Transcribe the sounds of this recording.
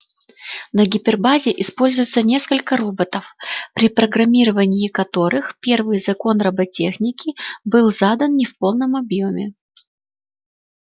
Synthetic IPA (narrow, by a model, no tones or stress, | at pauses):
nəɡʲɪpʲɪrbazʲɪʔɪspo̞lʲzʊjɪt̪sənʲe̞skəlʲkəɾubət̪əfpɾʲɪpɾəɡɾɐmʲiɾəvənʲɪjɪkɐt̪o̞ɾɨxpʲe̞rvɨjzɐko̞nrɐbɐtʲe̞xnʲɪkʲɪbɨlˠzad̪ənnʲɪfpo̞lˠnəmɐbjo̞mʲɪ